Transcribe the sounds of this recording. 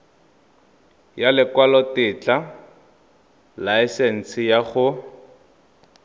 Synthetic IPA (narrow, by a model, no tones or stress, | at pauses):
jalɪkwalɔtɪt͡ɬʼa | laɛsen̩sɪjaχʊ